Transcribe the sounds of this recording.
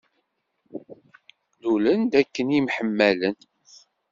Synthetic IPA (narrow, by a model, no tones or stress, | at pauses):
ðulənd̪ækːənjimħəmːælən